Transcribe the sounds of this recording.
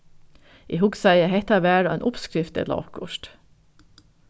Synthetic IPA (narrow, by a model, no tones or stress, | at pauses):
ʔiːhʊɡsæɪəhɛt̪ɑʋæːɾɑeːnʔʊpskɾɪft̪ə̰lɑ̰ːkʰʊʃʈ